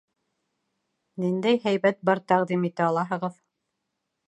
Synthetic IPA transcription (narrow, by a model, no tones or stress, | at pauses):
nind̪æjɦæjβæt̪̚bɑɾt̪æʁd̪imit̪æɑlˠɑɦɤ̆ʁɤð